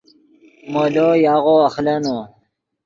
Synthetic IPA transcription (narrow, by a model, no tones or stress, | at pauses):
molojaːɣoɐxleno